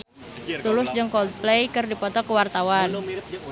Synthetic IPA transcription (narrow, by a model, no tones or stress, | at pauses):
t̪ulʊsd͡ʒəŋkɔld̪̚plejkɨrdipɔt̪ɔkəwart̪awan